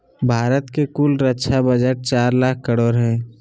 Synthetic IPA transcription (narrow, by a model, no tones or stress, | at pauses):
bʱaːɾət̪kekulɾətːʃʰabəd͡ʒəʈ̚t͡ʃaːɾlaːk̚ʰkːəɾoːɾɦɛ̃ː